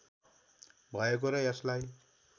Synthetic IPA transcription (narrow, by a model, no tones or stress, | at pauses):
bʱʌjek̬oɾʌjeslaj